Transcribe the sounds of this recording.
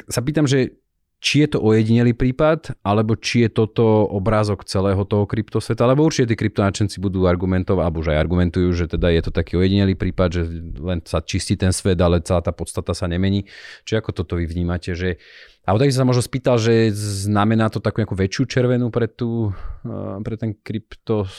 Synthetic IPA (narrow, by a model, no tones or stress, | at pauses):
sapiːt̪amʒɛ | t͡ʃijɛt̪ɔʔɔjɛɟiɲɛliːpɾiːpat̪alɛbɔt͡ʃijɛt̪ɔt̪ɔɔbɾaːzɔkt͡sɛlɛːɦɔt̪ɔɦɔkɾipt̪ɔsʋɛt̪aalɛbɔuɾt͡ʃicɛt̪̬iːkɾip̚t̪ɔnat͡ʃɛnt͡sibud̪uːaɾɡumɛnt̪ɔʊalɛbuʒaja̰ɾɡumɛnt̪ujuːʒɛt̪ɛd̪ajɛt̪ɔt̪akiːɔjɛɟiɲɛliːpɾiːpad̪ʒɛlɛnsat͡ʃisciːt̪ɛnsʋɛd̪alɛt͡sɛlaːt̪aːpɔtt͡st̪at̪asaɲɛmɛɲiːt͡ʃiakɔt̪ɔt̪ɔʋiʋɲiːmacɛʒɛ | aɔt̪aɡisɔ̃samɔʒnspiːt̪alʒɛznamɛnaːt̪ɔt̪akuɲakuʋɛt͡ʃɪuːt͡ʃɛɾʋɛnupɾɛt̪uː | pɾɛt̪ɛnkɾipt̪ɔ